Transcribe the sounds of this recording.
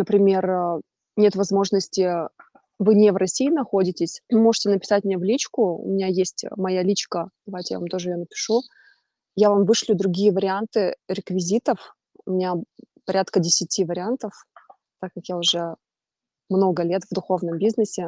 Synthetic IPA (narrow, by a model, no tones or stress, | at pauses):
nəpɾʲɪmʲe̞r | nʲe̞t̪vɐzmo̞ʐnəsʲtʲɪ | vɨnʲɪvɾɐsʲijːnɐxo̞dʲɪtʲɪsʲvɨmo̞ʐɨtʲɪnəpʲɪ̥satʲmʲnʲevlʲit͡ɕkʊʊ̰mʲɪnʲajesʲtʲmɐjalʲit͡ɕkəd̪̥ɐvajtʲɪjavamt̪o̞ʐɨjanəpʲɪ̥ʂu | javamvɨʂlʲʊd̪ɾʊɡʲijəvəɾʲɪant̪ɨɾʲɪkvʲɪzʲit̪əf | ʊmʲɪnʲapɐɾʲat̪kədʲɪsʲɪtʲʰivəɾʲɪant̪əf | t̪akːakjaʊʐɛ | mno̞ɡəlʲe̞t̪vd̪ʊxo̞vnəmbʲiznɨsʲɪ